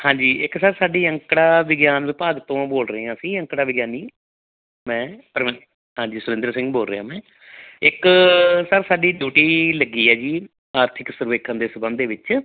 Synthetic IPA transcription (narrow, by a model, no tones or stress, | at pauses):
hãːɲd͡ʒiːɪksəɾsaːɖiːə̃ŋkɽaːʋɪɡjaːnʋɪpaːɡt̪õːboːlɾəɦẽːãːsĩːə̃ŋkɽaːʋɪɡjaːniː | mɛ̃ːpəɾm | ɦãːd͡ʒiːsʊɾɪ̃nd̪əɾsɪ̃ŋɡboːlɾḛːã̰ːmɛ̃ː | ɪksəɾsaːɖiːɖjuːʈiːləɡiːɛːd͡ʒiː | aːɾt̪ʰɪksʊɾʋeːkʰə̃nd̪eːsəbə̃nd̪eːʋɪt͡ʃ